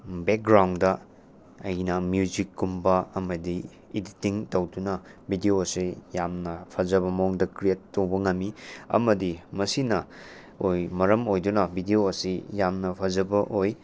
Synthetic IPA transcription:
bek̚ɡɾawndɐ | ɐjnɐmjud͡ʒikːumbɐɐmɐdiː | ditiŋtowdunɐbidioɐsijamnɐpʰɐzɐbɐmoŋdɐkɾijetːowbɐŋɐmːiɐ̰mɐdimɐsinɐ | ojmɐɾɐmojdunɐbʱidioɐsijamnɐpʰɐzɐbɐʔoj

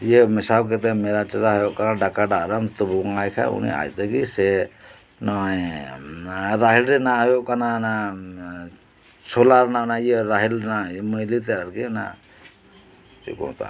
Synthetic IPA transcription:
jəmisawk̬ɛt̪̬amɛɾaʈiɾaɦajoʔkanaɖakaɖaʔɾamt̪ubuŋajkʰa̰ṵnḭa̰jt̪əkisɛ | nɔj | ɾaɦilɾɛnajoʔkanana | sɔlaɾnaʔnajəɾaɦilnaməjlit̪̬ɛɾaɾkina̰ | tḭkɔ̰t̪a̰

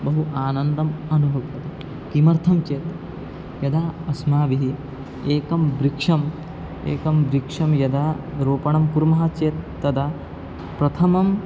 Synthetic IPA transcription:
bɐɦuʔaːnɐnd̪ɐmɐnuɦɐkt̪ɐt̪i | kimɐɾt̪ʰɐmt͡ʃeːt̪ | jɐd̪aːɐsmaːʋiɦi | eːkɐmbɾikʂɐm | ḛːkɐmbɾikʂɐmjɐd̪aːɾoːpɐɳɐmkuɾmɐɦɐt͡ʃeːt̪ːɐd̪ɐ | pɾɐt̪ʰɐmɐm

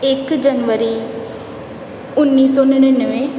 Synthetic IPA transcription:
ɪkd͡ʒənʋəɾiː | ʊnːiːsɔːnənənəʋẽː

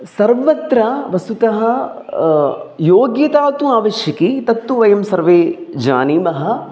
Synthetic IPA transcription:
sɐɾʋɐt̪ɾɐʋɐsut̪ɐɦɐ̆ | joːɡjɐt̪aːt̪uaːʋɐʃjɐkit̪ɐt̪ːuʋɐjɐmsɐɾʋeːd͡ʒa̰ːniːmɐɦɐ̆

